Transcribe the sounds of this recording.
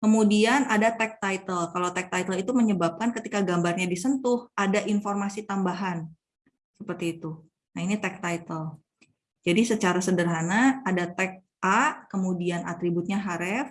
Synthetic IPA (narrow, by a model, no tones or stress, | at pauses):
kəmudianadat̪ɛk̚t̪ait̪əlkalawt̪ɛk̚t̪ajt̪əlit̪uməɲəbap̚kankət̪ikaɡambarɲadisənt̪ʊhadaʔinformasit̪ambaɦan | səpərt̪iːt̪u | nainit̪ɛk̚t̪ajt̪əl | d͡ʒadisət͡ʃaɾasədərɦanaːdat̪ɛk̚ | ʔaʔkəmudiana̰t̪ɾibʊt̪̚ɲaɦaɾɛf